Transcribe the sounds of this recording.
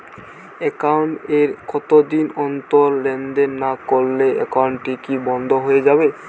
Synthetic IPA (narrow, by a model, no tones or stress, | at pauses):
ɛkawɳʈeɾkɔt̪od̪inɔnt̪oɾlɛnɖeɾnakoɾleʔɛ̰kawɳʈʈikibɔnd̪ʱoɦoed͡ʑabe